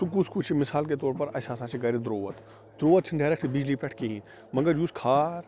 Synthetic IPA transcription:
t̪uk̬uskut͡ʃʰimɪsaːlk̬et̪ɔːɾpɐɾɐsaːsãːt͡ʃʰiɡɐɾid̪ɾoːʋət̪ | d̪ɾoːʋət̪̚t͡ʃʰinɖaːɾekʰʈʰibid͡ʒlipɛʈʰkiɦĩ | mɐ̃ŋɡəɾjuːskʰaːɾ

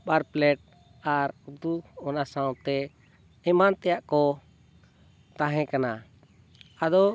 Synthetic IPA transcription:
baɾplɛʈ̚ | aɾud̪uɔnasawt̪ɛ | ɛmant̪ɛjaʔkɔ | t̪ãɦɛ̃kana | ad̪ɔ

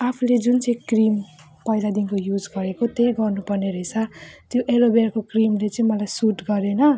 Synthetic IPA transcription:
apʰuled͡zunt͡sʌĩkrim | pʌilad̪inkojud͡zɡʌɾekot̪ejɡʌrnupʌrneɾʌt͡sʰʌt̪joʔelobeɾkokrimlet͡sʌĩmʌlajsuʈɡʌɾenʌ

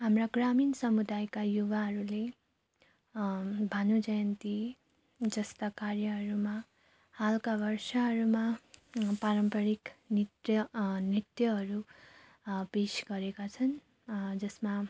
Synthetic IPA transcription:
ɦamraɡraminsʌmud̪ajkajuwaɦʌɾule | bʱanud͡zʌjʌnt̪i | d͡zʌst̪akarjʌɦʌɾuma | halkabʌrsʌɦʌɾuma | paɾʌmpʌɾiknit̪jʌnit̪jʌɦʌɾu | pesɡʌɾekat͡sʰʌn | d͡zʌsma

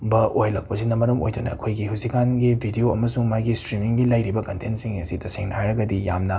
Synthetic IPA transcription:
bɐʔojlɐk̚pɐsinɐmɐɾɐmo̰jdunɐ̰ɐ̰kʰojɡiɦusikanɡibʱidioɐ̰mɐsuŋmajɡistɾimiŋɡilɐjɾibɐkɐntentsiŋɐsitɐseŋnhajɾɐɡɐdija̰mnɐ

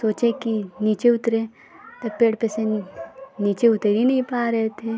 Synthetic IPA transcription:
soːt͡ʃẽkiniːt͡ʃeʊt̪ɾẽ | t̪ɐpeːɽpɛse | niːt͡ʃeʊt̪eɾinɐɦĩpaːɾeɦet̪ʰe

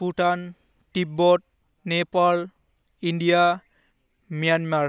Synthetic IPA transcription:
puʈan | ʈipbɔʈ̚ | nepal | inɖija | mijanma

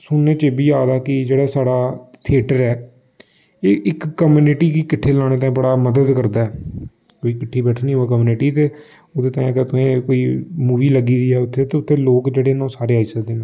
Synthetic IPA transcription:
sʊnːeːt͡ʃeːbiːaːd̪aːkɪd͡ʒeːɽaːsaːɽaːt̪ʰɪeːʈəɾɛː | ɪʔɪkːəmuːnɪʈiːkiːkɪʈʰːeːlaːɽ̃eːt̪ãːĩbəɽaːməd̪əd̪kəɾd̪aːɛː | koːiːkɪʈʰːiːbɛːʈʰnĩːoaːk̬əmuːnɪʈiːt̪eː | oːd̪eːt̪ãːĩəɡəɾt̪ʊẽːkoːiːmuːʋiːləɡiːd̪iːɛːʊt̪ʰːeːt̪eːʊt̪ʰːeːloːkd͡ʒeːɽeːnãːsaːɾeːaːiːsəkd̪eːnẽː

